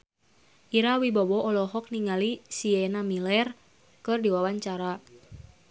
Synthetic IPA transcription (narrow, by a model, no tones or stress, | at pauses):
ʔiɾawibɔbɔʔɔlɔɦɔk̚niŋalisiɛnamilɛr | kɨrdiwawaɲt͡ʃaɾa